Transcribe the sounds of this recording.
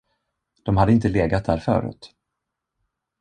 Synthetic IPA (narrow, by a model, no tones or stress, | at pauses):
d̪̥ɔmhad̪əɪnt̪əleːɡat̪̚d̪æːɾfœ̰ːɾʉ̰ːt̪